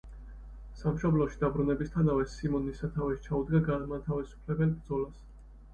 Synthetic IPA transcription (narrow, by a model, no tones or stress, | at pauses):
samʃɔblɔʃid̪abɾunɛbist̪ʰanavɛsimɔnisat̪ʰaviʃi̥t͡ʃʰaud̪ɡaɡaːmat̪ʰavisu̥pʰlɛbɛnbɾd̪zɔlas